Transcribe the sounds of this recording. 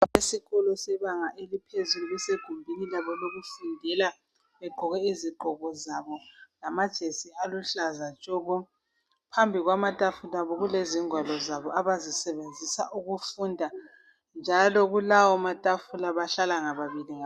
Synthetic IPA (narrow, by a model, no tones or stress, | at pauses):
esiɣɔlɔsɛβaŋaʔelipʰezuluɣuseɡ̥ʱumbʱinilaβɔloɣufundʱɛla | βɛɡ͡ǃʱɔɣɛiziɡ͡ǃʱɔɣɔzaβɔlamad̥ʒ̥ʱesialuɬazat͡ʃʼɔβɔ | pʰambʱiɣwamatʼafulaβɔɣuleziŋʱwalɔzaβɔʔaβazisɛβend͡zʱisa̰ʔuɣufundʱa | nd͡ʒʱalɔɣulawɔmatʼafulaβaɬalaŋaβaβiliŋa